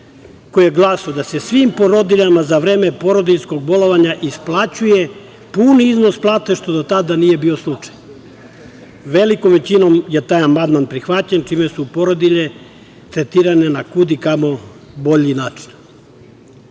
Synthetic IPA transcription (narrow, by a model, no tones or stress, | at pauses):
kojieɡlˠasod̪ase̞sʋimpo̞ɾod̪iʎamazaʋɾeːmepo̞ɾo̞d̪iʎsko̞ɡ̚bo̞lˠoʋaɲaʔisplˠat͡ɕuje | puniiznosplˠaːt̪e̞ʃt̪o̞d̪ot̪ad̪anije̞bio̞slˠut͡ʂḁj | ʋelikomʋet͡ɕinomje̞t̪aːjamand̪manpɾixʋat͡ɕent͡ʃimesupo̞ɾod̪iʎe | t̪ɾet̪iːɾanenakud̪ikamo̞ | bo̞ʎinaːt͡ʃi̥n